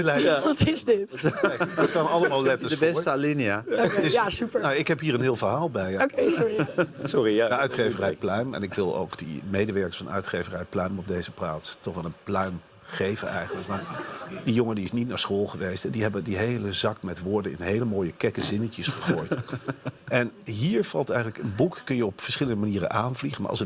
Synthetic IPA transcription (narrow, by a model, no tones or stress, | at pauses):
lɛʋɑtɪzdɪt | ətkaːməɑlˠəmaːlˠlɛtəsəfɛstəaliniadɪsasypənawɪkɦɛpɦiːɾənɦɪːlˠvəɹɦaːlˠbɛjokesɔɹisɔridəœɥtχejvərɛjplœɥmɛ̰nɪkʋɪlˠo̰wkd̥ə̰mejdəʋɛɹkə̥ɹsfɑnœ̰ɥtχejvərɛjplœɥmɔb̚dejzəplaːtstɔχʋɛlˠənplœɥm | χejvənɛ̰jχənləkʋɑntdijoŋədiɪsnitnaːɹsχoːlˠχəʋejstɛdiɛbədiɦejləzɑkmɛtʋʊːɹdəɪ̰nɦejləmoːjəkɛkəzɪnəcəsχəχoːjt | ɛnɦiːɹv̥ɑlˠtɛjχənləkənbukːɵnjəɔpfə̥ɹsχɪləndəmaniːrə̰nʔaːnvliχəma̰ɹʔɑ̰sə